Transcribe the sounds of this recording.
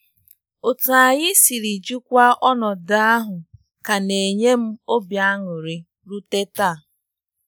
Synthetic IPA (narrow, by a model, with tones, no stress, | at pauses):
o˨tu˨a˨ɣɪ˦si˨ɾi˨d͡ʒu˦kʷa˦ʔɔ˦nɔ˨da˦a˦ɦʊ˨ | ka˨ne˨ɲe˦m̩˦o˦bja˨˦a˦ŋʊ˨ɾi˦ | ɾu˦te˦ta˦˨